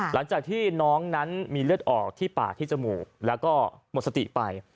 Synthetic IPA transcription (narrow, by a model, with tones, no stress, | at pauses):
la˩˦ŋt͡ɕaː˨˩k̚t̪ʰiː˥˩nɔː˦˥ŋna˦˥nmiː˧lɯ˥˩ət̪̚ʔɔː˨˩k̚t̪ʰiː˥˩pa̰ː˨˩t̪ʰiː˥˩t͡ɕa˨˩muː˨˩klɛː˦˥wkɔː˥˩mo˨˩t̪̚sa˧t̪ḭ˨˩pa˧j